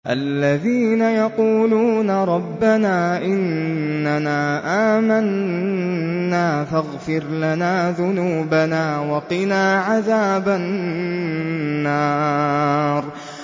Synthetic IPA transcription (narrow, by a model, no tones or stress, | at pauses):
ʔalːaðiːnajɑquːluːnaɾˤɑbːanaːʔɪnːanaːʔaːman | aːfaɣfɪɾlanaːðʊnuːbanaːwɑqɪnaːʕaðaːba | nːaː | ɾˤ